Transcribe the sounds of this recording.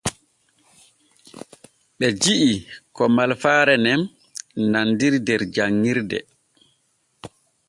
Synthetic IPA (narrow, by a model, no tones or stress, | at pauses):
ɓɛd͡ʒiʔikɔmalfaːɾɛnɛn | nandiɾdɛɾd͡ʒaŋːiɾdɛ̰